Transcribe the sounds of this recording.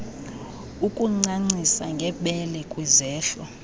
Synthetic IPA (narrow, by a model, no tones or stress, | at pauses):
ukʼuŋ͡ǀaŋ͡ǀisaŋɡʱɛɓɛlɛkʼwizɛːɬɔ